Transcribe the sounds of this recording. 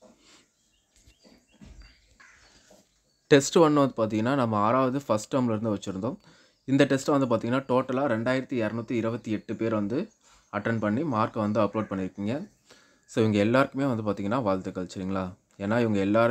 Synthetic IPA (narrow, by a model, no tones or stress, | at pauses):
ʈɛsʈʋɐnːɯʋɐnd̪ɯpaːɾt̪̬ĩːŋɡɐnːaːnɐmːɐaːɾaːʋɐðɯfɐsʈːɐmlɪɾɯnd̪ɯʋɐt͡ʃːɪɾɯnd̪õː | ɪnd̪ɐʈɛsʈʋɐnd̪ɯpaːt̪iːŋɡɐnːaːʈoːʈːɐlaːɾɛɳɖaːjɪɾɐt̪ːiɐɾnut̪ːiɪɾɯbɐt̪ːiɛʈːɯpeːɾʋɐnd̪ɯ | ɐʈːɐnpɐɳːimaːɾkɐʋɐnd̪ɯɐploːɖ̚pɐɳːɪɾɯkːiːŋɡɐ | soːɪŋɡɐɛlːaːɾɯkːɯmeːʋɐnd̪ɯp̬aːɾt̪iŋɡɐnːaːʋaːlt̪ɯkːɐlt͡ʃːɯɾiːŋɡɐlaː | eːnːaːɪʋɐŋɡɐɛlːaːɾ